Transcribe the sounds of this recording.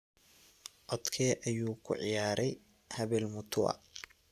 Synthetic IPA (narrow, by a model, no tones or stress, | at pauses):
ʔɔd̪kʰɛːʔɐjuːkʰʊ̰ʕɪ̰jaːɾɛj | hɐβɛːlmʊt̪ʰʊɐ̰